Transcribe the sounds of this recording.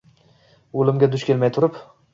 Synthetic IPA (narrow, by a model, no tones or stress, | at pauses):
olɪmɡʲad̪ʊʃkʲe̞lmajt̪ʰʊɾɪp